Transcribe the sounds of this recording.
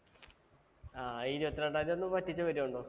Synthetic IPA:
aːiːɾiʋɐt̪ːilɐɳɖaːjiɾonːɨmpɐtːit͡ɕːɨʋɐɾiuɳɖoː

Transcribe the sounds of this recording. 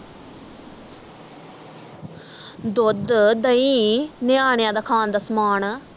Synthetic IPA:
d̪ʊd̪d̪əĩːnɪaːɳjãːd̪akʰaːnd̪asmaːn

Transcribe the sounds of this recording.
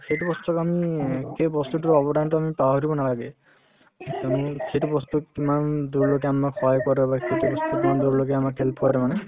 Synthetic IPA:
keʈubɔst̪ɔkamikebɔst̪uʈiɾɔbɔɖanʈɔamipaɦɔɾibɔnalaɡe | amikʰeʈibɔst̪ɔkimand̪uɾlokeamakʰɔjkɔɾebakʰeʈibɔst̪ɔkmand̪uɾlok̬eamakʰelpʰɔɾemane

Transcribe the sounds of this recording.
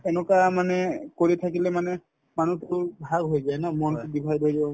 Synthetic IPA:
ɛnɔkamanɛkoɹitʰakilɛmanɛ | manutʊɹbʱaɡɦojzajnamɔnʊdibʱajbɔjzɔ

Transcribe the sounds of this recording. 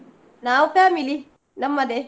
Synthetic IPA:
naːwufaːmili | nɐmːɐd̪e

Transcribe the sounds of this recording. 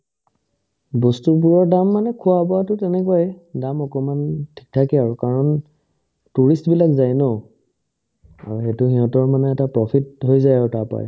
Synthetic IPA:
bɔstup̬uɹɔɹdamːanɛkʰuwabɔatʊtɛnɛkuwajdamɔkɔmantʰi̥k̚tʰakɛaɹukaɹɔn | tuɹistbilakzajnɔ | a̰ɹuxɛtʊxiɦɔ̃tɔɹmanɛːtapɹɔpʰit̚hojzajaʊtapa̰j

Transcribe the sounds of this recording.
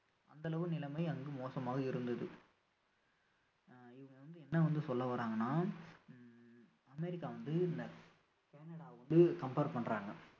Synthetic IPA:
ʔɐ̰nd̪ɐlɐʋɯnɪlɐmɐɪɐŋɡɯmoːsɐmaːɣɐɪɾɯnd̪ɐðɯ | ɪʋɐŋɡɐʋɐnd̪ɯɛnːɐʋɐnd̪ɯsɔlːɐʋɐːɾaːŋɡɐnːaː | ɐmɛɾɪkːaːʋɐnd̪ɯɪnd̪ɐ | keːnɐɽaːʋɐnd̪ɯkɐmpeːɾʈpɐɳɾaːŋɡɐ

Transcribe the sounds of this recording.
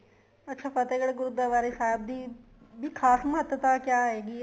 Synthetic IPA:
ɐtːʃʰapɐt̪eːɡɐɽɡuɾud̪aʋaːɾɦɪsaːɦb̚d̪i | bʱikʰaːsmɦət̪jət̪akjaːɦeːɡi

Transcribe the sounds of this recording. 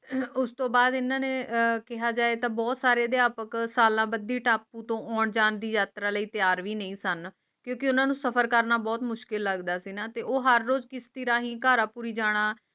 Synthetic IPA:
ʊst̪õːbaːd̪ɪnãːneːkɪɦaːd͡ʒaːeːt̪ãːbɔːt̪saːɾeːd̪ɪaːpəksaːlãːbəd̪iːʈaːpːũːt̪õːʔɔːɳd͡ʒaːnd̪iːjaːt̪ɾaːləiːt̪ɪjaːɾʋiːnə̃ĩːsən | kjõːkɪʊnãːnũːsəpʰəɾkəɾnaːbɔːt̪mʊʃkɪlːəɡd̪aːsiːnaːt̪eːʔoːɦəɾːoːd͡ʒkɪst̪ɪɾãːɦĩːkaːɾaːpuːɾiːd͡ʒaːɽ̃aː

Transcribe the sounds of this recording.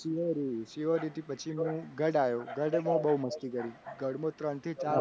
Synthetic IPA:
siʋoɾisiʋoɾit̪ipət͡ʃʰimũɡəɽajoɡəɽemũbəuməsʈikəɾiɡəɽmõt̪ɾəɳt̪ʰit͡ʃa

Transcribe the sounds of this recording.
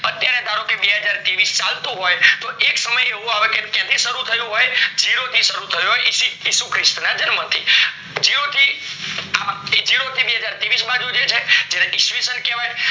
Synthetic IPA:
ət̪jaɾed̪ʱaɾokebeɦəd͡ʒaɾt̪iʋist͡ʃalt̪ũɦojt̪oʔeksəməjeʋũaʋekekjãt̪ʰiʃəɾut̪ʰəjũɦojd͡ʒiɽot̪ʰiʃəɾut̪ʰəjõɦojsiisukʰɾɪst̪nad͡ʒənmət̪ʰi | d͡ʒiɽot̪ʰi | ad͡ʒiɽot̪ʰibeɦəd͡ʒaɾt̪iʋisbãd͡ʒũd͡ʒet͡ʃʰed͡ʒeɾeʔiʃʋisənkeʋaj

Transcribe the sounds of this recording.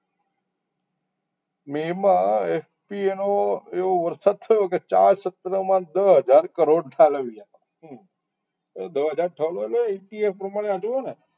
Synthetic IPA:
memãef | pienoeʋoʋəɾsad̪̚t̪ʰəjoket͡ʃa̰ɾsət̪ɾəmãd̪əɦəd͡ʒaɾkəɾoɖʈʰaləʋia | d̪əɦəd͡ʒaɾʈʰəloeloʈiefpɾəmaɽ̃eãd͡ʒone

